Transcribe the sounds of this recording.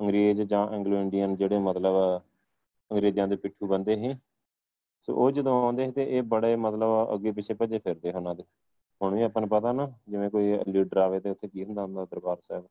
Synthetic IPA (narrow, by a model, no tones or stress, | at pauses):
əŋɡɾeːd͡ʒd͡ʒãːʔɛ̃ŋɡloːɪɳɖijənd͡ʒeːɽeːmət̪ləb | əŋɡɾeːd͡ʒãːd̪eːpɪʈʰːuːbənd̪eːɦẽː | so̰ːʔoːd͡ʒəd̪õãːnd̪eːɦẽːt̪eːʔeːbəɽeːmət̪ləbə̰ɡːeːp̬ɪt͡ʃʰeːpəd͡ʒeːpʰɪɾd̪eːɦoːnãːd̪eː | ɦʊɳʋĩːaːpənːpət̪aːnaːd͡ʒɪʋẽːkoːiːliːɖəɾaːʋeːt̪eːʊt̪ʰːeːkiːɦʊ̃nd̪aːɦʊ̃nd̪aːd̪əɾbaːɾsɛːb